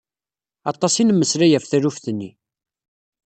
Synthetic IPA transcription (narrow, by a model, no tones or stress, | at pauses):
ɑt̪ˤːɑsinəmːəsɾæjæfθæɾufθənːi